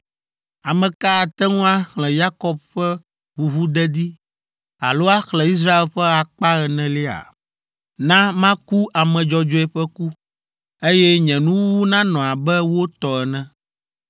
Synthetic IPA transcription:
a˨mɛ̃˨ka˦˨t̪ɛ˦ŋũ˦a˦xlɛ̃˨ja˦kɔ˦b̚ɸɛ˦ | ɸu˨ɦu˦d̪ɛ˦d̪i˦ | a̰˨lo˦a˦xlɛ̃˨i˦s̬ɾa˦e˨lɸɛ˦a˨k͡pa˦ɣɛ˨nɛ̃˨li˦a̰˨ | nã˦mã˦ku˦ʔa˨mɛ̃˨d͡ʒɔ˦d͡ʒɔ˦ɛ˦ɸɛ˦ku˦ | e˦jɛ˦ɲɛ̃˨nũ˦wu˦nã˦nɔ̃˨a˨bɛ˦wo˦t̪ɔ˨ɛ˨nɛ̃˦

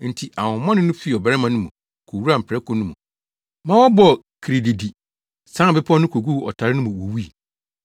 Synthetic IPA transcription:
n̩˨tʰi˨ʔa˨wʊ̃˨mã˦nɪ̃˦nʊ̃˦fi˦˨ɔ˨bɛ˦ɾɛ˦mã˨nʊ̃˦mũ˨ | kʰo˨wu˦a˨m̩˨pʰɾɛ˦kʰɔ˨nʊ̃˦mṵ̃˨ | mã˦wɔ˦bɔ˨ | kʰi˨ɾi˨di˨di˨ | sã˦˨bɪ˦pʰɔ˦nʊ̃˦kʰo˨ɡu˦ɔ̰˨tʰa˨ɾɪ˦nʊ̃˦mũ˨wo˨wi˦i˨

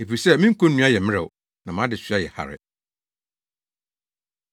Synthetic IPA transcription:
e˨fi˨sɛ˦mĩ˦ŋ̩˦kʰõ˦n˦nũ˦a˦jɛ˨mɪ̃˦ɛ˨w | nã˨mã˦dɪ˨ɕɥa˦jɛ˨ha̰˨ɾɪ̰˨

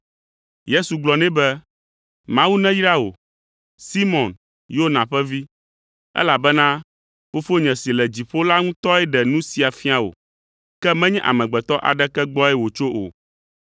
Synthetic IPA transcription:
je˦su˨ɡ͡blɔ˨nɛ̃˦bɛ˦ | mã˦wu˦nɛ̃˦ji˦ɾa˦o̰˨ | si˦mɔ̃˨n | jo˦nã˨ɸɛ˦vi˦ | ɛ̰˦la˨bɛ˦nã˦ | fo˦fo˦ɲɛ̃˨si˨lɛ˨d͡ʑi˨ɸo˦la˦ŋũ˦t̪ɔ˦ɛ˦ɖɛ˨nũ˦si˨a˨fi˦a˨wo̰˨ | kɛ˦mɛ̃˦ɲɛ̃˦ʔa̰˨mɛ̃˨ɡ͡bɛ˨t̪ɔ˦ʔa̰˨ɖɛ˦kɛ˦ɡ͡bɔ˦ɛ˦wo˨t͡ʃo˦ʔo̰˨

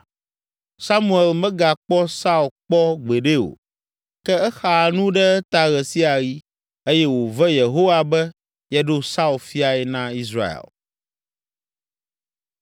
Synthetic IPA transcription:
sa˦mũ˦ɛ˨lmɛ̃˦ɡa˨k͡pɔ˦sa˦u˨lk͡pɔ˦ɡ͡be˨ɖe˦o̰˨ | kɛ˦ɛ˦xa˨nũ˦ɖɛ˦ɛ˦t̪a˨ɣɛ˨si˦a˨ɣi˦ | e˦jɛ˦wo˨vɛ˦je˨ɦo˦wa˦bɛ˦ | jɛ˦ɖo˦sa˦u˨lfi˦a˨ɛ˨nã˦i˦sɾa̰˦˨ḛ˨l

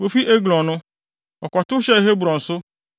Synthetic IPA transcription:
wo˨fi˦ʔe˦ɡlɔ̃˨nʊ̃˦ | ɔ˨kʷɔ˨tʊ˦ɕɛ˦i˨ɦe˦bu˨ɾɔ̃˨n̩˨sʊ˦

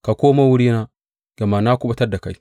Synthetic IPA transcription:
ka˨ko˦ma˦wu˦ɾi˦na˦ | ɡ̥a˨ma˨na˦ku˦ba˦ta˦da˨ka˨i˨

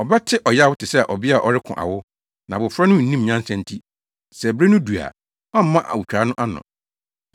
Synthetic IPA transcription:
ɔ˨bɛ˦tʰɪ˦ʔɔ˨ja˦wʊ˦tʰɪ˨sɛ˦˨ʔɔ˨bɪ˦a˦˨ʔɔ˨ɾɪ˦kʰʊ̰̃˨ʔa̰˨wʊ˦ | nã˨bʊ˨fɾa˦nʊ̃˦˨nĩ˦m˨ɲã˦nsɛ̃˦n˦tʰi˦ | sɛ˨bɾe˦nʊ̃˦du˨a̰˨ | ã˦m̩˦mã˦ʔa̰˨wu˨t͡ɕᶣa˨˦nʊ̃˦ʔa˦nʊ̰̃˨

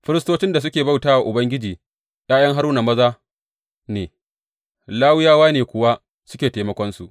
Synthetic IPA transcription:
ɸɪ˦ɾɪ˦stoː˦t͡ʃɪ˦nda˨s̬ʊ˦kʲeː˨ba˦wtaː˦wa˨ʔʊ˨bɐ˦ŋɡʲɪ˦d͡ʒiː˨ | j̰aː˦jɐ˦ŋɦa˦ɾuː˦na˨mɐ˦zaː˦ | neː˨ | laː˦wɪ˦jaː˦waː˦neː˨kʷʊ˨wa˦ | sʊ˦kʲeː˨teː˦mɐ˦kʷɔ˦nsu˨ʔ

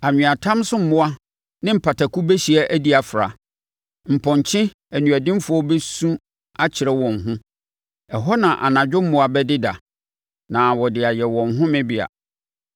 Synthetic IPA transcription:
a˨ɲᶣɪ̃˨a˨tʰã˦msʊ̃˦m̩˨mʊ̃˦a˦ | nɪ̃˦m̩˨pʰa˨tʰa˨kʰu˦bɛ˦ɕi˨æ˦ʔæ˦di˦a˨fɾa̰˨ | m̩˨pʰɔ̃˨ɲ˨t͡ɕʰɪ̃˦ | æ˨nũ˨æ˨dɪ̃˦mfʊ˨˦ɔ˦bɛ˦sũ˦ | a˦t͡ɕʰɪ˨ɾɛ˦wɔ̃˨ŋ̩˨ɦʊ̃˦ | ɛ˨ɦɔ˦nã˨ʔa̰˨nã˨d͡ʑᶣʊ˦m̩˦mʊ̃˦a˦bɛ˦dɪ˦da̰˨ | nã˨wɔ˨dɪ˨a˨jɛ˨wɔ̃˨n˨ɦʊ̃˦mɪ̃˦bɪ˦˨a̰˨

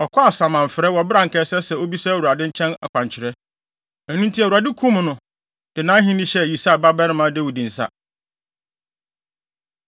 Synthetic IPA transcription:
ɔ˨kʰɔ˦a˨sã˨mã˨ɱ̩˨fɪ˨ɾɛ˦wɔ˨bɪ˦ɾã˨ŋ̩˨kʰɛ˦sɛ˦sɛ˨o˦bi˦sa˦˨wu˨ɾa˨dɪ̃˦ɲ̩˦t͡ɕʰɛ̃˦na̰˨kʷʰã˨ɲ˨t͡ɕʰɪ˨ɾɛ˦ | æ˨nũ˦n̩˦tʰi˦a˨u˨a˨dɪ˦kʰũ˦m˨nʊ̃˨ | d̥ɪ˨nãː˦ɦĩ˦nĩ˦ɕɛ˦˨ji˨sa˦˨ba˦bɛ˦ɾɪ̃˦mã˨˦de˦wu˨dĩ˨n̩˨sa̰˦

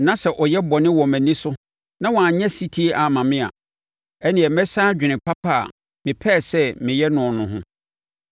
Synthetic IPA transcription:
nã˦sɛ˨ʔɔ˨jɛ˦bɔ˨nɪ̃˦wɔ˨mæ̃˨nĩ˦sʊ˦ | nã˦wɔ̃˨a˨ɲɛ̃˦si˦tʰi˦e˦ʔa˨mã˨mɪ̃˦a̰˨ | ɛ˦nɪ̃˨ɛ˨mɛ˦sãː˦d͡ʑᶣɪ˨nɪ̃˨pʰa˦pʰa̰˦˨ | mɪ̃˨pʰɛ˦˨sɛ˦mɪ̃˨jɛ˦nʊ̃˨nʊ̃˨ɦʊ̰̃˦

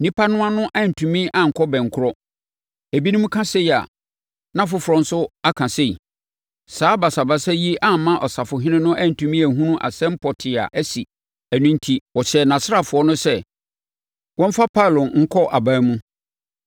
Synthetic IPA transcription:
nĩ˦pʰa˦nʊ̃˦a˦nʊ̃˦ʔæ˦˨n̩˨tʰũ˨mĩ˦ʔã˦˨ŋ̩˨kʰɔ˦bɛ̃˨ŋ˨kʰʊ˦ɾɔ˦ | æ˨bi˦nĩ˦mũ˦kʰã˦se˦i˨a̰˨ | nã˦fʊ˦fʊ˨ɾɔ̃˨n̩˦sʊ˦a˦kʰã˨se˦i˨ | saː˨˦ba˨sa˨ba˦sɛ˦ji˦ʔa˦˨mã˦ʔɔ˨sa˨fʊ˨ɦɪ̃˦nɪ̃˦nʊ̃˦ʔæ˦˨n̩˨tʰũ˨mĩ˦æ˨ɦũ˦nũ˦ʔa̰˨sɛ̃˦m̩˦pʰɔ˨tʰɪ˨a̰˨ʔæ˦si˨ | æ˨nũ˦n˦tʰi˦wɔ˨ɕɛ˨nã˨sɪ˦a˨fʊ˨ɔ˦nʊ̃˦sɛ˦ | wɔ̃˦ɱ˦fa˦pʰa˦˨lʊ̃˨ŋ̩˦kʰɔ˦ʔa˨bãː˦mũ˦

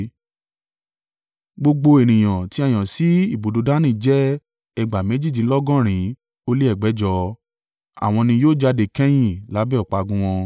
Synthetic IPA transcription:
ɡ͡bo˧ɡ͡bo˧e˨nĩ˨j̃ã˨ti˦a˦˨j̃ã˨si˨˦i˦˨bo˨do˨˧da˦nĩ˦˨˦d͡ʒɛ˦ | ɛ˧ɡ͡ba˨me˨˦d͡ʒi˦˨d͡ʒĩ˨˦lɔ˦ɡɔ̃˦˨ɾ̃ĩ˨˦ | o˧le˦ɛ˦˨ɡ͡bɛ˨˦d͡ʒɔ˧˦ | a̰˨w̃ɔ̃˧nĩ˧joː˦˨d͡ʒa˧de˨kɛ̃˦j̃ĩ˦˨la˨˦bɛ˦ɔ˨k͡pa˧ɡũ˦w̃ɔ̃˧

